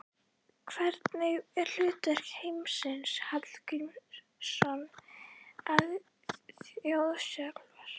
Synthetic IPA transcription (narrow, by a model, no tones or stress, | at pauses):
kʰvɛɾt̪nɪɛɾl̥ʏːt̪vɛr̥khejmsɪnshat̪l̥kʏm | sɔn | að | owðsœklvaɾ̥